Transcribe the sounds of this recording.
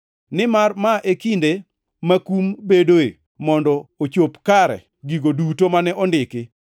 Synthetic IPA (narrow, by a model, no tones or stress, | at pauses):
nɪmarmaʔekinde | makumbedoḛ | mɔndɔot͡ʃopkaɾɛ̰ | ɡiɡodutomanɛʔɔndɪkɪ